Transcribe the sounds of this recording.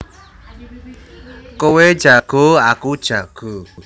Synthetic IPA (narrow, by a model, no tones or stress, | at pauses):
kowe̥d͡ʒ̥aɡ̥oakud̥ʒ̥aɡ̥o